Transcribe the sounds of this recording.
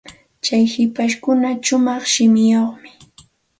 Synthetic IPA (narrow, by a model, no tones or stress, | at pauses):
t͡ʃajhɪpaʃkʊnaʃʊmɑχʃɪmɪjoχmɪ̥